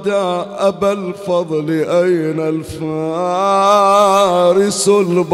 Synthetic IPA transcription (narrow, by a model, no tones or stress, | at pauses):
d̪aʔabalfɑðˤlɪʔajnalfa | ɾɪsʊlb